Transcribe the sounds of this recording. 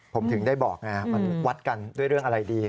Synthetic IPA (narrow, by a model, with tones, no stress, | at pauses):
pʰo˩˦mt̪ʰɯ˩˦ŋdaː˥˩jbɔː˨˩k̚na˦˥ma˧nwa˦˥t̪̚ka˧ndu˥˩əjɾɯ˥˩əʔa˧ɾa˧jdiː˧